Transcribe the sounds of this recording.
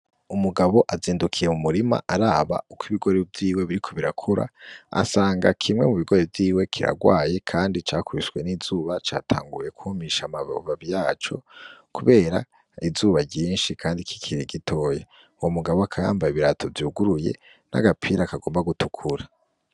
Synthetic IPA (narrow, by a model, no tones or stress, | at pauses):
umuɡaβo̞ʔaziːndukʰijemumuɾima̰ʔaɾaːβa̰ukwiβiɡo̞ɾevjiːwe̞βiɾikʰoβiɾakʰuɾa̰a̰saːŋɡa̰kʰimŋe̞̰muβiɡo̞ɾevjiːwe̞kʰiɾa̰ɡwa̰ːje̞kʰaːndit͡ʃaːkuɾisɡwe̞niːzuːβat͡ʃaːtʰa̰ːŋɡuje̞kuhmiʃamaβaβijaːt͡ʃo̞̰kuβe̞ːɾa | izuːβaɟiːnʃikʰaːndikʰi̥kʰiɾiɡitʰo̞ːje | womuɡaβoakʰaja̰ːmbajiβiɾatʰo̞viuɡuɾuje̞̰ | nʔa̰ɡapʰiːɾakaɡo̞ːmbaɡutukʰuɾa